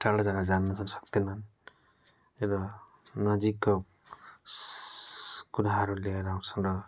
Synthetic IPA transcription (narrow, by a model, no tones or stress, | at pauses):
ʈalʌd͡zaɡad͡zanːʌt͡sʰʌnsʌ̥kt̪enʌn | eɾʌ | nʌd͡zikːo | kuɾaɦʌɾuleeɾaut͡sʰʌnrʌ